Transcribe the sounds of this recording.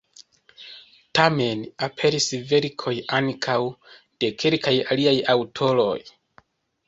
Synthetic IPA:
tame̞napʰe̞ɾisve̞ɾkʰo̞jaŋkʰaw | d̥e̞kʰe̞lkajaliajawtʰo̞lo̞̰j

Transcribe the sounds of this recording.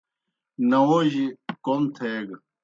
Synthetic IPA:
nɐwoʑikomt̪ʰeːɡ

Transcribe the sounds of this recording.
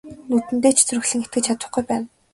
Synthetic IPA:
nut̪ɘ̆nt̪eːt͡ɕʰt͡sɵrɵ̆xɮɘ̆ŋxet̪ɡɘ̆t͡ɕʰat̪ə̆χɡujpæːn

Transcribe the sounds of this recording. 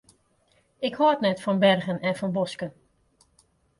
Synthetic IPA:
ɪkhɔtnɛtfɔnbɛrɣənɛnfɔnbɔskən

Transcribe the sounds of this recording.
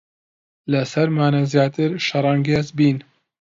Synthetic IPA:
lɨsɛɾmaːnazjaːt̪ɨɾʃɑɾˤɑːŋɡezbiːn

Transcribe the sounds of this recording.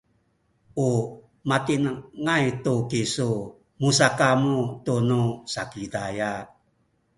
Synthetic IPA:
u | mat̪inaŋajtukisu | musakamutunusakidaja

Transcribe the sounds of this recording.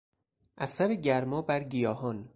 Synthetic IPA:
ʔæsæɾeɟæɾmɒːbæɾɟijɒːhɒːn

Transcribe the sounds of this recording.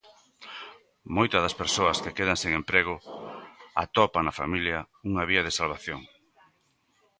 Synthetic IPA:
mojt̪ɐðɐspeɾsoɐskekeðɐŋseŋempɾeɣ̞ʊ | a̰t̪ɔpanɐfa̰miljɐ | uŋaβiɐðesalβaθjoŋ

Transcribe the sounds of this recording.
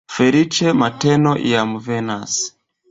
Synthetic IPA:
fɛɾit͡ʃɛmatɛnɔʔḭamuvɛnas

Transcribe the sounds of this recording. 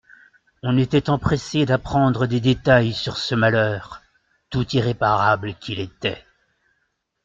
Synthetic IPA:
ɔ̃net̪ɛt̪ɑ̃pχesed̪apχɑ̃d̪ʁəd̪ed̪et̪ajsyʁsəmalœːʁ | t̪ut̪iʁepaʁablkʲʰilet̪ɛ̰

